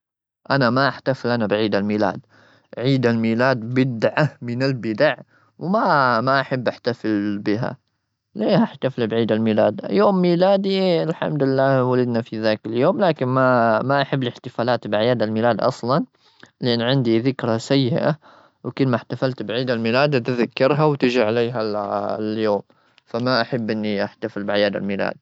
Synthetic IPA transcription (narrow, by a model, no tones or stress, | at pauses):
ʔanamaʔaħt̪afɪlʔanabʕiːd̪almiːla̰ːd̪ | ʕiːd̪almiːlaːd̪bɪd̪ʕamɪnalbɪd̪aʕ | wmamaʔaħabːʔaħt̪afɪlbɪɦa̰ | leːhaħt̪afɪlbʕiːd̪almiːlaːd̪joːmːiːlaːd̪ialħa̰md̪ɪlːaːwalɪd̪nafiðaːkaljoːmlaːkɪnmamaʔaħabːlɪħt̪ɪfaːlaːt̪bʕajaːd̪almiːlaːd̪ʔɑ̰sˤlɑn | lɪʔanːʕɪnd̪iðɪkɾasajːɪʔa̰ | wkʊlːmaħt̪afalt̪bʕiːd̪almiːlaːd̪t̪ɪðakːɪɾˤɦawt̪ɪd͡ʒiʕaleːɦaljoːm | famaʔaħabːʔɪnːiʔaħt̪afɪlbʕajaːd̪a̰lmiːla̰ːd̪̚